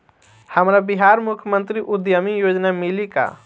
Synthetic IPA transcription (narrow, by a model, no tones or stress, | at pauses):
həmɾabiɦaːɾmʊkʰjmə̃nt̪ɾiʔʊd̪jəmijoːd͡ʒnamɪlika̰